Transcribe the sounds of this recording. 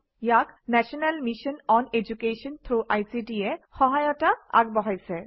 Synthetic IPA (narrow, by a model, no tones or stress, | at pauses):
jaknɛʃonalmiʃɔnɔned͡ʑukeʃɔnt̪ʰɾuʔajsiʈiexɔɦajoʈaa̰ɡbɔɦojsʰe